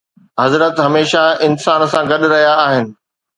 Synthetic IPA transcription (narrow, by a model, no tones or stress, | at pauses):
ɦɐzɾət̪ɦɐmeːʃaɪnsaːnsãɡɐɗʊɾɐɦijaːɦɪnɪ̆